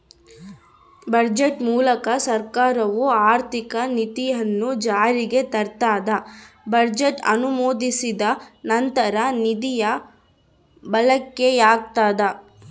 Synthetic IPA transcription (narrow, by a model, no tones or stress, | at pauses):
bɐɾd͡ʒeʈmuːlɐkɐsɐɾkaːɾɐʋuaːɾt̪ikɐnit̪ijɐnːud͡ʒaːɾiɡe̞t̪ɐɾt̪aːd̪ɐ | bɐɾd͡ʒeʈɐ̰numoːd̪isid̪ɐnɐnt̪ɐɾɐnid̪ijɐ | bɐlɐkːe̞jaːk̚t̪aːd̪ɐ